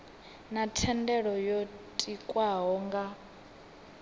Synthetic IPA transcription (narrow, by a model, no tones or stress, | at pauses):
natʰɛndɛɺɔjotʼikʼwaɦɔŋɡa